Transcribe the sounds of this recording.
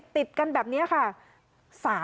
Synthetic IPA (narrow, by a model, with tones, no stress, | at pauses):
t̪i˨˩t̪̚ka˧nbɛː˨˩p̚ni˦˥ɐkʰa˥˩ | saː˩˦